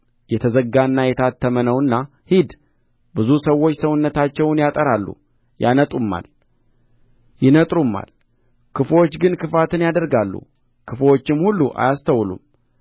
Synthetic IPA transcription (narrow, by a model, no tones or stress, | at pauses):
jɛt̪ʰəzəɡanːajɛt̪ʰat̪ʰːəmənəwɨnːa | hid̪ | bɨzusəwːo̞t͡ʃːsəwʊnːət̪ʰat͡ʃːɛwnjat̪ʼəɾalːṵ | janət̪ʼumːa̰l | jɪnət̪ʼɾumːa̰l | kʰɨfwo̞t͡ʃːɡɨnkʰɨfat̪ʰɨnjad̪əɾɡalːṵ | kʰɨfwo̞t͡ʃːɪmhulːuʔa̰jast̪ʰəwlṵm